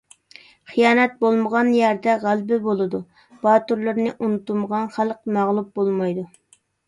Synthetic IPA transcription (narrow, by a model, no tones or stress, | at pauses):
χijɑːnɛt̪̚bolˠməʁɑnjæɾd̪ɛʁælbɪbolˠɨd̪u | b̥ɑːt̪uɾlˠɨɾnɪʔunut̪uməʁɑnχælˠq̚mæʁlˠup̚bolˠmɑjd̪u